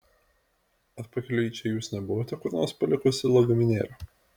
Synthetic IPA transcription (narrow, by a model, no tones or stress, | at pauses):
ɐt̪pɐkʲɪlʲʊiːˑt͡ʃʲɛjuːsnʲɛbʊʋɐt̪ʲɛkʊɾʲnospɐlʲɪkʊsʲɪlˠɐɡɐmʲɪnʲḛːlʲo